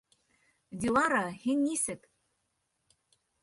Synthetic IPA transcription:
d̪ʲilˠɑɾɑhinʲːisɘ̆k

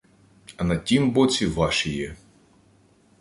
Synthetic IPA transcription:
ɐnɐtʲimbɔt͡sʲiʋɑʃijɛ

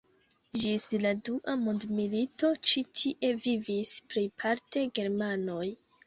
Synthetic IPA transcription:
d͡ʒisladuʔamundmilito̞t͡ʃitʰiʔe̞vivispɾipʰaɾte̞ɡe̞ɾmano̞j

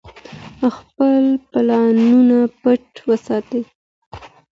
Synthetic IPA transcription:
xpəlplɑnunapəʈwəsɑt̪e

